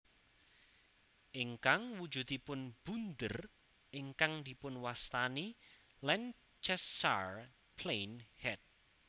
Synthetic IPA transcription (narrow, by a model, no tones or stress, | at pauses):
ʔɪŋkaŋwud̥d͡ʒ̥ṳt̪ipʊnb̥und̪ər | ʔɪŋkaŋd̪i̤pʊnwast̪ani | lɛn | t͡ʃɛsa̰r | pʰlejnhɛt̪̚